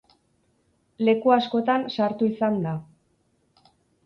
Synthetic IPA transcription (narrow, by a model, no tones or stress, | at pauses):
le̞kuasko̞t̪ansaɾt̪uisand̪a